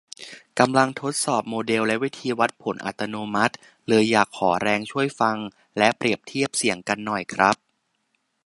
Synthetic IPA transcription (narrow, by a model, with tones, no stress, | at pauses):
ka˧mla˧ŋt̪ʰo˦˥t̪̚sɔː˨˩p̚moː˧de˧wlɛ˦˥wi˦˥t̪ʰiː˧wa˦˥t̪̚pʰo˩˦nʔa̰˨˩t̪ːa˧noː˧ma˦˥t̪̚ | lɤː˧jːaː˨˩kʰːɔː˩˦ɾɛː˧ŋt͡ɕʰu˥˩əjfa˧ŋ | lɛ˦˥ʔpɾi˨˩əp̚t̪ʰi˥˩əp̚si˨˩˦əŋka˧nːɔ˨˩jkʰɾa˦˥p̚